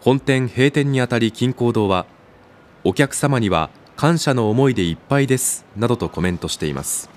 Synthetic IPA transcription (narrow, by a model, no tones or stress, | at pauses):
hõ̞nt̪ẽ̞ɰ̃he̞ːt̪ẽ̞ɲ̟ːiat̪aɾʲikʲĩŋko̞ːd̪o̞ːβa | o̞kʲakɯ̟̥samaɲ̟iβa̰ | kʰãɰ̃ɕano̞ːmo̞id̪e̞ipːaid̪e̞sɨ̥nad̪o̞t̪o̞ko̞mẽ̞nt̪o̞ɕi̥t̪e̞̰ḭmʔa̰sɨ̥